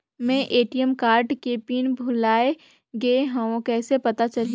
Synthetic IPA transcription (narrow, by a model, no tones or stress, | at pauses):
mɛ̃ːʔeːʈijəmkaːɾɖkepiːnbʱʊlaːe | ɡeɦɐ̃õkɛːsepɐt̪at͡ʃɐli